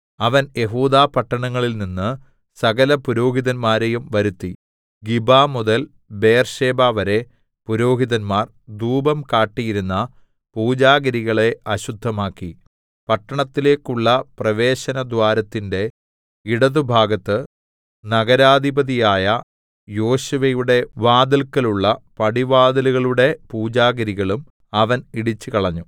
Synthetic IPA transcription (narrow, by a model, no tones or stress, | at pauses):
ɐʋɐnje̞ɦuːd̪aːpɐʈːɐɳɐŋːɐɭilninːɨ | sɐɣɐlɐpuɾo̞ːɦiðɐnmaːɾe̞jumʋɐɾut̪ːi | ɡibaːmuðɐl | be̞jrɕe̞ːbaːʋɐɾe̞ | puɾo̞ːɦiðɐnmaːr | d̪uːbɐmkaːʈːijiɾunːɐ | puːd͡ʑaːɡɐɾiɣɐɭe̞ɐɕud̪ʱːɐmaːkːi | pɐʈːɐɳɐt̪ːile̞ːkːuɭːɐprɐʋe̞ːɕɐnɐd̪waːɾɐt̪ːinde̞ | iɽɐðubʱaːɡɐt̪ːɨ | nɐɡɐɾaːd̪ʱibɐðijaːjɐ | jo̞ːɕuʋɐjuɽe̞ʋaːd̪ɐlkːɐluɭːɐpɐɽiʋaːd̪ɐluɣɐɭuɽe̞puːd͡ʑaːɡɐɾiɣɐɭum | ɐʋɐniɽit͡ɕːɨkɐɭɐɲːu